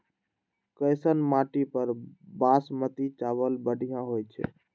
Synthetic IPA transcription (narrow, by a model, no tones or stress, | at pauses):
kəjsənmaʈipəɾbasmət̪it͡ʃaβəlbəɖ̤ʱijãɦojt͡ʃʰɛ̰